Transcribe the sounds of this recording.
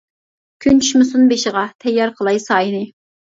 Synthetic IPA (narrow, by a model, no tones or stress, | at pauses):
kʲʰynt͡ʃʰy̥ʃmɨsunbeʃɪʁɑt̪ʰɛjːɑɾqʰəlˠɑjsɑːjinɪ